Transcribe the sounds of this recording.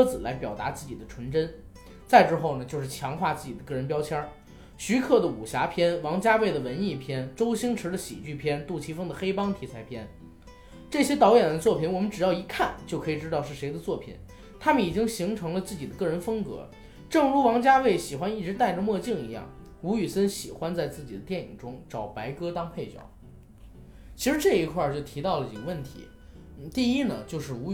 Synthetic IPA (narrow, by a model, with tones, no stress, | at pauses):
d͡zɹ̩˨˩la˧˥ɪpjɑ˨˩ʊt̪a̰˧˥t͡sɹ̩˥˩t͡ɕi˨˩d̪ə˦ʈ͡ʂʰwə˧˥nʈ͡ʂə˥n | t͡sa˥˧ɪʈ͡ʂɻ̩˥xo˥˩ʊnə˩t͡ɕjo˥˧ʊʂɻ̩˥˩t͡ɕʰjɑ˧˥ŋxwa˥˧t͡sɹ̩˥˩t͡ɕi˨˩d̪ə˦kɤ˥˩ɻə˧˥npjɑ˥ʊt͡ɕʰjɑ˥ | ɕy˧˥kʰɤ˥˩d̪ə˩u˨˩ɕja˧˥pʰjɛ˥nwɑ˧˥ŋt͡ɕja˥we˥˩ɪd̪ə˩wə˧˥ni˥˩pʰjɛ˥nʈ͡ʂo˥ʊɕi˥ŋʈ͡ʂʰɻ̩˧˥d̪ə˧ɕḭ˨˩t͡ɕy˥˩pʰjɛ˥nt̪u˥˩t͡ɕʰi˧˥fɤ˥ŋd̪ə˨xe˥ɪpɑ˥ŋt̪ʰi˧˥t͡sʰa˧˥ɪpʰjɛ˥n | ʈ͡ʂɤ˥˩ɕjɛ˥t̪ɑ˧˥ʊjɛ˨˩nd̪ə˦t͡swɔ˥˩pʰi˨˩nwɔ˨˩mə˦nʈ͡ʂɻ̩˨˩jɑ˥˩ʊi˧˥kʰa˥˩nt͡ɕjo˥˩ʊkʰɤ˧˥i˨˩ʈ͡ʂɻ̩˥t̪ɑ˥˧ʊʂ̬ɻ̩˥˩ʂe˧˥ɪd̪ə˧t͡swɔ˥˩pʰḭ˨˩n | t̪ʰa˥mə˨ni˨˩t͡ɕi˥ŋɕi˧˥ŋʈ͡ʂʰɤ˧˥ŋlə˧t͡sɹ̩˥˩t͡ɕi˨˩d̪ə˦kɤ˥˩ɻə˧˥nfɤ˥ŋkɤ̰˧˥ | ʈ͡ʂɤ˥˩ŋɻu˧˥wɑ˧˥ŋt͡ɕja˥we˥˩ɪɕi˨˩xwa˥ni˥˩ʈ͡ʂɻ̩˧˥t̪a˥˩ɪʈ͡ʂə˩mwɔ˥˧t͡ɕi˥˩ŋḭ˧˥jɑ̰˥˩ŋ | u˧˥y˨˩sə˥nɕi˨˩xwa˥nt͡sa˥˧ɪt͡sɹ̩˥˩t͡ɕi˨˩d̪ə˦t̪jɛ˥˩nḭ˨˩ŋʈ͡ʂʊ˥ŋʈ͡ʂɑ˨˩ʊpa˧˥ɪkɤ˥t̪ɑ˥ŋpʰe˥˩ɪt͡ɕjɑ̰˨˩˦ʊ | t͡ɕʰi˧˥ʂɻ̩˧˥ʈ͡ʂɤ˥˩i˧˥kʰwa˥˧t͡ɕjo˥˩ʊt̪ʰi˧˥t̪ɑ˥˩ʊlə˩i˨˩kə˦wə˥˩nt̪ʰḭ˧˥ | n̩˥˩t̪i˥˧i˥nə˨t͡ɕjo˥˧ʊʂɻ̩˥˩u˧˥